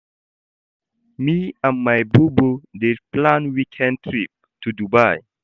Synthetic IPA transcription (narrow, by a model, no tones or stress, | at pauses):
miãnmajbubudeplãnwikʰɛ̃ntʰɹip̚ | tʰudubaj